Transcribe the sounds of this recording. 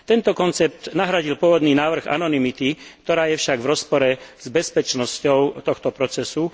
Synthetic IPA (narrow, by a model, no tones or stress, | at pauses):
t̪ɛnt̪ɔkɔnt͡sɛp̚t̪naɦɾaɟilpʊɔʋɔd̪niːnaːʋr̩ɣa̰nɔnimit̪ikt̪ɔɾaːjɛfʃaɡvɾɔspɔɾɛz̥bɛspɛt͡ʃnɔscɔʊt̪ɔxt̪ɔpɾɔt͡sɛsu